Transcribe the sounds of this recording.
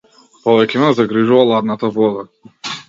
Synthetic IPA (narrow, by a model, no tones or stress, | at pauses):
pɔvɛkʲɛmɛzaɡɾiʒuvalˠad̪nat̪avɔd̪a